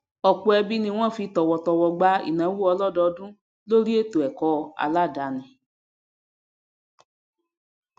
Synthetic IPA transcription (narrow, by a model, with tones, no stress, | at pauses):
ɔ˨ku˧˦ɛ˧bi˦nĩ˧w̃ɔ̃˦˨fi˧˦tɔ˨wɔ˧tɔ˧wɔ˧ɡ͡ba˦ḭ˨nã˨˦wu˦ɔ˧lɔ˦˨dɔ˧dũ˦ | lo˦ɾi˦e˦˨to˨ɛ˨kɔ˧˦a̰˧la˦˨da˨˦nĩ˨